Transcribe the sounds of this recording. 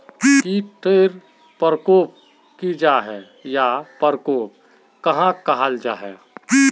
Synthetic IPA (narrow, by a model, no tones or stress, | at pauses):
kiʈʰeːɾ | pəɾəkoːp̚ | kid͡ʒaːɦɛ | japəɾkoːp̚ | kɐɦãkəɦəld͡ʒaːɦɛ̰